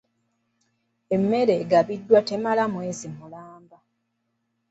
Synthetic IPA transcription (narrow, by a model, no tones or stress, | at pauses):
e̞mːe̞ɾe̞ɡaβidːwate̞malamwezimːulaːmba